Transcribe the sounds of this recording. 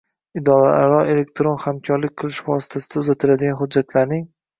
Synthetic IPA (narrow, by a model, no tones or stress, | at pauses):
ɪd̪ɒlaaɾɒe̞le̞k̚ʲt̪ʰɾonχamkʰɒɾlɪk̚ʲqʰɨlˠɪʃvɒsɪ̥t̪ʰasɪd̪aʊzat̪ʰɪɾad̪ɪɡʲanχʊd̪̚d͡ʒːat̪ʰlaɾnɪŋ